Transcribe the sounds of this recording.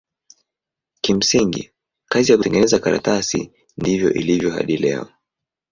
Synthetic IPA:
kim̩siŋɡḭ | kazijakutɛŋɡɛnɛzakaɾa̰tasḭ | ndivjɔ̰ʔilivjɔɦa̰ɗilɛ̰ɔ

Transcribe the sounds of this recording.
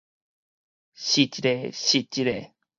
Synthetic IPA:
ɕit͡ɕiɾeɕit͡ɕiɾe

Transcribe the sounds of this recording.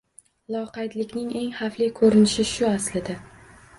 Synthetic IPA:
lˠɒqɑjd̪lɪkʲnɪŋe̞ŋhaflikʰɵɾɪnɪʃɪʃʊaslɪd̪a

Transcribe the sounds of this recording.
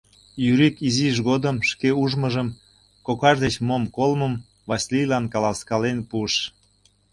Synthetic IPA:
jyɾikiziʃ̬ɣod̪əmʃkeuʒməʒəm | kokɑʒd̪et͡ɕmomkolməm | vɑsʲilijlɑnkɑlɑskɑlenpuəʃ

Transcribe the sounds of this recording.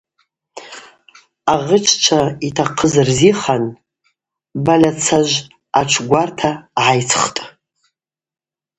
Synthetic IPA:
aʁət͡ʃʷʰt͡ʃʷʰaitʰaqʰəzrziχan | balʲat͡sʰaʒʷ | aʈ͡ʂʷʰɡʷartʰaʕajt͡sʰχtʼ

